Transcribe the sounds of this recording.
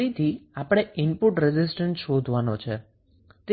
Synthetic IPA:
it̪ʰiapəɽ̃eɪmpʊʈɾɛzɪsʈənsʃod̪ʱʋanot͡ʃʰe | t̪e

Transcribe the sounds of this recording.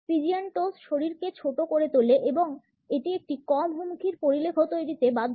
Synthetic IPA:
fid͡ʑianʈosʃoɾiɾket͡ɕʰoʈokoɾet̪oleʔeboŋ | eʈiek̚ʈikɔmɦumukʰiɾpoɾilekʰot̪ojɾit̪ebad̪ʱ

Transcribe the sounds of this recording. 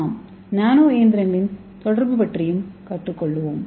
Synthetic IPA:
m | naːnoːeːnd̪ɪɾɐŋɡɐɭɪn | t̪ɔɽɐrbɯpɐʈrɪjɯmkɐʈːɯkːɔɭːɯʋoːm

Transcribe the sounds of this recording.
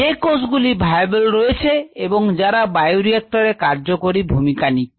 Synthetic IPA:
ekosɡulibʱajbelɾojet͡ɕʰeeboŋd͡ʑaɾabajuɾiek̚ʈoɾekaɾd͡ʑokoɾibʱumikani

